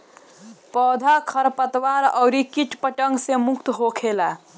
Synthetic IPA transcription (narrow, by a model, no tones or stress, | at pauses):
pɔːd̪ʱakʰəɾpət̪ʋaɾɔʊɾikiʈpəʈəŋɡsemukt̪ɦokʰela